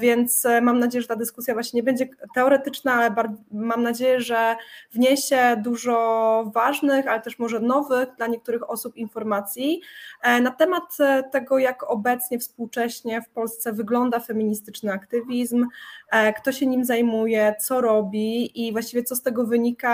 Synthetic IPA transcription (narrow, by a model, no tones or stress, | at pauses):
vʲjɛnt̪smamnad͡ʑejɛʐɛt̪ad̪ɘskusʲjavwaɕɲeɲɛbɛɲd͡ʑɛt̪ɛɔɾɛt̪ɘt͡ʂnaalɛbaɾmamnad͡ʑejɛʐɛvɲeɕɛd̪uʐɔvaʐnɘxalɛt̪ɛʂmɔʐɛnɔvɘɣd̪laɲɛk̚t̪uɾɘxɔsupinfɔɾmat̪sʲji | nat̪ɛmat̪ːɛɡɔjakɔbɛt̪sɲɛfspuwt͡ʂɛɕɲɛfpɔlst̪sɛvɘɡlɔnd̪afɛmʲiɲist̪ɘt͡ʂnɘakt̪ɘvʲizm | kt̪ɔɕɛɲimzajmujɛt̪sɔɾɔbʲiivwaɕt͡ɕivʲjɛt̪ɔst̪ɛɡɔvɘɲika